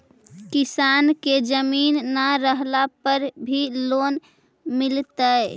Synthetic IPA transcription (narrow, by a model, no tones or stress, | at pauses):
kisanked͡ʒəminːəɾəɦlapəɾbʱilon | milt̪əe